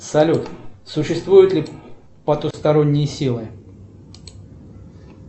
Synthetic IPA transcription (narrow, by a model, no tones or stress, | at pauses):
sɐlʲut̪sʊɕːɪst̪vujʊt̪lʲɪ | pɐt̪ust̪ɐɾo̞nʲːɪjəsʲilˠɨ